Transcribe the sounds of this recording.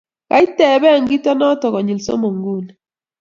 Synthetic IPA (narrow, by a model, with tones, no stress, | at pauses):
ka̰˦i˦tɛ˦˨βɛ˦˨ŋɡi˦tɔ˦nɔ˦tɔ˨ɣɔ˨ɲi˨lso̰˦mo˨ŋɡu˦˨ni